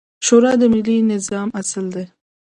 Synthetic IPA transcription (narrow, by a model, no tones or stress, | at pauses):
ʃoɾɑd̪əmɪlːinɪzɑːmasəld̪e